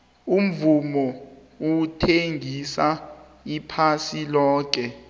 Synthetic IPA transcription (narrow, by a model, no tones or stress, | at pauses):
um̩vumɔ | utʰeŋʱisa | ipʰasilɔːk̬ɛ